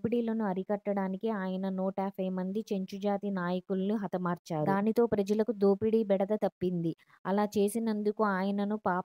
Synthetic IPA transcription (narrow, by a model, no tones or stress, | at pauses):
piɽiːlonuɐɾikɐʈːɐɽaːnikeaːjɐnɐnɔːʈaːpʰɐjmɐnd̪it͡ʃeɲt͡ʃud͡ʒaːt̪inaːjɐkulɐniɦɐt̪ɐmaːɾt͡ʃaːɾd̪aːnit̪o̞ːpɾɐd͡ʒɐlɐkud̪oːpiɽiːbɛɽɐd̪ɐt̪ɐpːind̪i | ɐlaːt͡ʃe̞ːsinɐnd̪ukuaːjɐnɐnupaː